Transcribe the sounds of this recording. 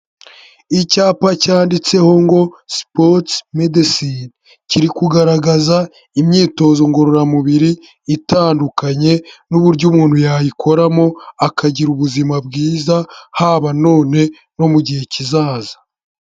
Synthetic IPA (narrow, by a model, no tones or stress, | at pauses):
icaːpacaːndit͡se̞ho̞ŋɡo̞spotmedisin | ciɾikuɡaɾaɡaza | imɲiːto̞ːzo̞ŋɡo̞ɾoɾamuβiɾiː | taːndukaɲe̞nuβuɾɟumuːn̥hujajikʰo̞ɾamo̞akaɟiɾuβuzimabɡiːzahaːβano̞ːne̞ | no̞muɟihe̞cizaːzḁ